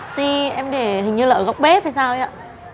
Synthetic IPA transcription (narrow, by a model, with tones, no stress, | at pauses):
t̪i˧ʔɛ˧mɗe˧˩hï˨˩ŋ̟ɲɨ˧lə̰ː˧˨˩a˨˦wk͡p̚ɓe˨˦vaː˨˩jsaː˧wja̰ː˧˨